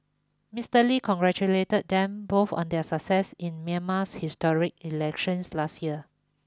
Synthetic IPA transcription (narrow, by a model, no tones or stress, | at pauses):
mistəlikʰɔ̃ŋɡɹɛt͡ʃuletət̚dɛ̃mbofɔ̰̃ndɛsək̚sɛsĩnmiəmashistɔɹik̚ilɛkʃə̃nslastjiə